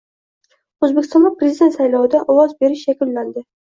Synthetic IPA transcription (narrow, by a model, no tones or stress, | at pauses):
ozbekʲɪ̥st̪ɒnlɪpʰɾezɪd̪e̞nt̪sajlɒwɪd̪aʔɒwɒzbe̞ɾɪʃjakʲʊlːand̪ɪ